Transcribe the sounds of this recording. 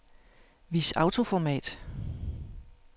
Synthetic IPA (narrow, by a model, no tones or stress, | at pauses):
ʋisɑ̈ʊt͡sʰo̝fɒmɛ̰ːd̥